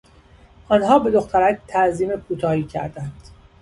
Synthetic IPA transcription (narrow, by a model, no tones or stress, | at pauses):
ʔɒːnɦɒːbe̞d̪oxt̪ʰæɾæct̪ʰæʔziːmekʰuːt̪ʰɒːhiːcʰæ̰ɾd̪ænd̪̥